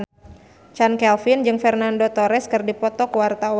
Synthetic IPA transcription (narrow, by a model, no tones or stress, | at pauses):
t͡ʃankɛlfɪnd͡ʒɨŋfɛrnandot̪ɔɾɛskɨrdipɔt̪ɔkwart̪aw